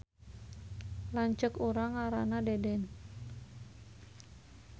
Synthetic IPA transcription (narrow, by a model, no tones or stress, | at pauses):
laɲt͡ʃəkuɾaŋaɾanadɛdɛn